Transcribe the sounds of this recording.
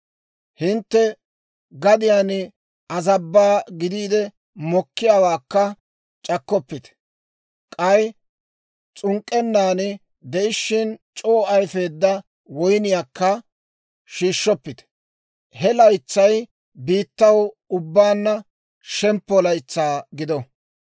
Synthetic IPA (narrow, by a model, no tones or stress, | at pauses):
hɪnt̪ːɛ | ɡɐd̪ɪjaːnɪ | ɐzɐbːaːɡɪd̪iːd̪ɛ | mɔkːɪjawaːkːɐ | t͡ʃʼɐkːɔpːɪt̪ɛ̥ | kʼɐj | t͡sʼʊŋkʼːɛnːaːnɪ | d̪ɛʔɪʃːɪnt͡ʃʼo̞ːʔɐjfe̞ːd̪ːɐ | wɔjnɪjaːkːɐ | ʃiːʃːɔpːɪt̪ɛ̥ | hɛlɐjt͡sːɐj | biːt̪ːɐw | ʊbːaːnːɐ | ʃɛmpːɔlɐjt͡sːaːɡɪd̪ɔ